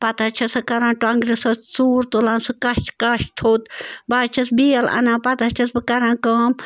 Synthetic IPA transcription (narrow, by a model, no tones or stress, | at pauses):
pɐt̪at͡ʃʰɐsɐkɐɾãːʈaŋɡɾesot̪suːɾt̪olãːnsɨkɐʃkɐʃt̪ʰoːt̪baːt͡ʃʰɐsbiːɐlɐ̰nãːpɐt̪at͡ʃʰɐsbɨkɐɾãːkaːm